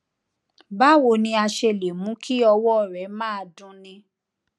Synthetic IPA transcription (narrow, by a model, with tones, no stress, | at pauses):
ba˦wo˧˨nĩ˧a˧ʃe˧˨le˨mũ˨˦kʰi˦ɔ˧wɔ˦˨ɾɛ˨˦mãː˦˨dũ˦nĩ˧